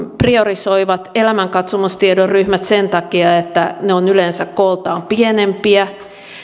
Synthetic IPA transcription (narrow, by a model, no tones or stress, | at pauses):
priorisoiʋɑt̪elæmæŋkɑt̪sumust̪iedorryhmæt̪sent̪ɑkiɑet̪ːæneonylensækkolt̪ɑːmpienempiæ